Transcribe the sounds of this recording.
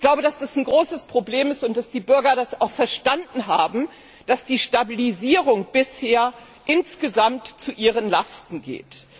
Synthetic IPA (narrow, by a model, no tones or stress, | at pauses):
ç̥laʊbədasd̥asn̩ɡʁoːsəspʁ̥obleːmɪstʊnt̚d̥asd̥iːbʏɐɡɐdasa̰ʊxfɛɐʃtandn̩ɦa̰ːbm̩ | d̥asd̥iːʃtabiliziːʁʊŋb̥ɪsheːɐ | ʔɪnsɡ̥əzamtt͡suʔiːʁ̞ənlastn̩ɡḛːt